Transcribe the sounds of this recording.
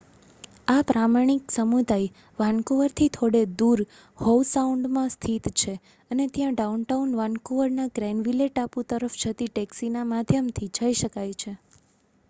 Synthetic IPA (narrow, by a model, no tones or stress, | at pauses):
apɾamaɳ̃iksəmud̪ʱaj | ʋankoʋəɾt̪ʰit̪ʰoɽed̪uɾ | howsauɳɖmãst̪ʰit̪t͡ʃʰe | ənet̪jãɖaunʈaunʋãnkoʋəɾnaɡɾɛnɖʋileʈaput̪əɾəft͡ʃʰət̪iʈɛksinamad̪ʱjəmt̪ʰid͡ʒəiʃəkajt͡ʃʰe